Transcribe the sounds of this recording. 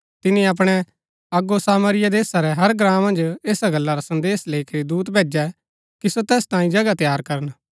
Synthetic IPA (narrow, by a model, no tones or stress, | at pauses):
t̪ɪnĩap̬ɽ̃ɛ | ɐɡosaːməɾɪjad̪eːsaɾɛɦɐɾɡɾãːmɐ̃nd͡ʒeːsaɡɐlːaɾasɐ̃nd̪eːsleːikəɾid̪uːt̪bʱeːd͡ʒɛ | kisot̪ɛːst̪ãːĩd͡ʒɐɡat̪jaːɾkɐɾən